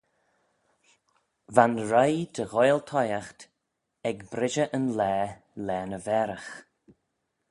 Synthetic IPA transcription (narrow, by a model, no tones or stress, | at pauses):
vanɹajd̪əɣɔjlt̪ʰɔjaxt̪ | ɛɡbɾɪʒəʔənlɛː | lɛːnəvɛːɾəx